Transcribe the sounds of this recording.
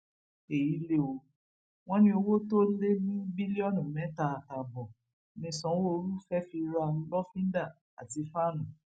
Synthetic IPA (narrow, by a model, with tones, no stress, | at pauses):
e˨ji˨˦le˦o˧ | w̃ɔ̃˦nĩ˦o˧wo˦to˦le˦nĩ˦bi˦li˦ɔ˦˨nũ˨mɛ̃˨˦ta˧˨a˨ta˨bɔ˨ | nĩ˧˦sɔ̃˨˦wo˦˧ɾu˦fɛ˦fi˧ɾa˧˦lɔ˦fĩ˦n˦da˦˨ | a̰˨ti˧fa˦˨nũ˨